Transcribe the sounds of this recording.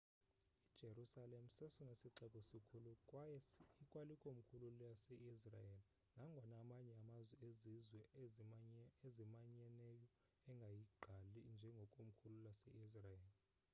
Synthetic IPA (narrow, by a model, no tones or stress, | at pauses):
id̥ʒ̥ʱerusalem̩sɛsuŋesiǀɛɓʼɔsikʰulukʼwajikʼwalikʼom̩kʰululasɛʔisra̰jeli | naŋɡʱɔnamaɲɛamazwɛezizwɛ | ezimaɲɛnɛjɔ | ɛŋɡʱajiɡ͡ǃʱalind͡ʒʱɛŋɡʱɔkʼom̩kʰululasɛʔisrajeːli